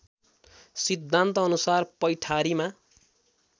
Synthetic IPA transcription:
sid̪ʱːant̪ʌːnusarpʌjʈʰaɾima

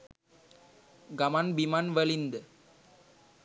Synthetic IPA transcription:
ɡɐmaːnbimanʋɐɭind̪ɨ

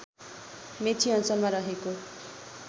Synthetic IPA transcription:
metʰiʌnt͡sʌlmaɾʌɦeko

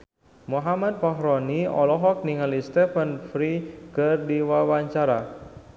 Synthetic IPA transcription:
muɦamat̪̚paɦɾɔniɔ̰lɔɦɔk̚niŋalist̪ɛfənfɾikərdiwawaɲt͡ʃaɾa

